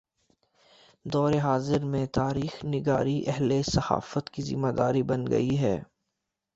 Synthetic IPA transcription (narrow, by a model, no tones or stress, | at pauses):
d̪ɔːɾeɦaːzɪɾmẽt̪aːɾiːxnɪɡaːɾiʔɛɦlesɐha̰ːfət̪kizɪ̰maːd̪aːɾibɐnɡɐ̰iɦɛː